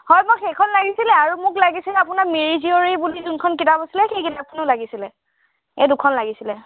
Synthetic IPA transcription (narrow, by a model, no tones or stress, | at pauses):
hɔjmʊxejkʰɔnlaɡisilɛaɹumʊklaɡisilɛapʊnamiɹizioɹijbulizunkʰɔnk̬itabosilɛxejkitap̚kʰɔnʊlaɡisilɛ | ejdʊkʰɔnlaɡisilɛ